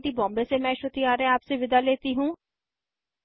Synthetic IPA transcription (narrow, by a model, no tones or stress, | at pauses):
ʈiːbɔ̃ːmbesemɛ̃ːʃot̪iaːɾɛ̃aːpseʋɪd̪aːleːt̪iːɦũː